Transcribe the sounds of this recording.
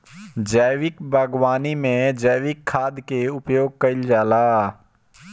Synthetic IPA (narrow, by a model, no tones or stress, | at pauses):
d͡ʒəjwɪkbʱəɡwaːnimẽd͡ʒəjʋɪkʰːaːd̪keʊpjoːɡ̚kɐɪld͡ʒaːlaː